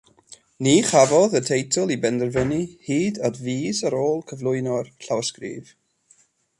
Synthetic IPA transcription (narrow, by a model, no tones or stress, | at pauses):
niːχavɔðətʰejtʰəlˠibɛndərvənihiːdɔdviːsəɾoːlˠkʰəvlˠʊɨnɔrɬawskrḭːv